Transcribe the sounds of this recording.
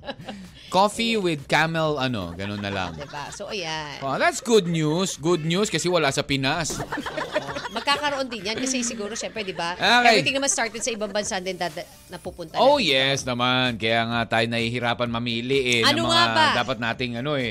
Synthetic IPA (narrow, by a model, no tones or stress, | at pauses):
kofiwɪd̪̚kamɛlɐno̰ɡɐnonːɐlɐ̰ŋd̪ɪbasoʔɐjaʔoðat̪sɡʊd̪̚njusɡʊd̪̚njuskɐsɛwɐlaʔsɐpɪnasomɐɡ̚kakɐɾoʔo̞nd̪ɪnjɐnkɐsɛsɪɡuːɾoʃɛmpɾɛd̪ɪbaʔakajt̪ɪŋnɐmanst̪aɹt̪ɛd̪̚sɐɪbaŋbɐnsaʔnd̪ɛnd̪ad̪ɐ | nɐpupʊnt̪ɐojɛsnɐmankɐjaːŋat̪aːjonɐhihɪɾaːpɐnmɐmiːlɪʔɛnɐnɐomɐŋabadaːpɐt̪̚naːt̪ɪŋɐno̞ʔɛ